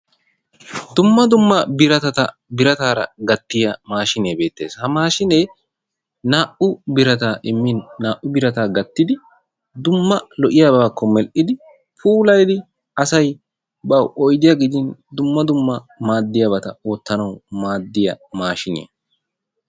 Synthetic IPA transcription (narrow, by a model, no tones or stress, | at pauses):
d̪ʊmːɐd̪ʊmːɐbɪɾɐt̪ɐt̪ɐ | bɪɾɐt̪aːɾɐ̰ɡɐt̪ːɪjɐmaːʃɪneːbe̞ːt̪ːe̞ːshɐmaːʃɪneː | naːʔʊbɪɾɐt̪aːʔɪmːɪnːaːʔʊbɪɾɐt̪aːɡɐt̪ːɪd̪ɪ | d̪ʊmːɐlɔʔɪjaːbakːɔmɛlʔɪd̪ɪ | fuːlɐjd̪ɪ | ɐsɐj | bɐwʔɔjd̪ɪjɐɡɪd͡ʒ̪ɪnd̪ʊmːɐd̪ʊmːɐ | maːd̪ːɪjɐbɐt̪ɐo̞ːt̪ːɐnɐwmaːd̪ːɪjɐ̰maːʃɪnɪ̰jɐ̰